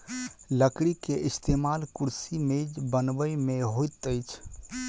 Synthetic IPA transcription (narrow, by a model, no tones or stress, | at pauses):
ləkɾikeʔɪst̪emalkuɾsimed͡ʒbənbəjmeɦojt̪əjt͡ʃʰ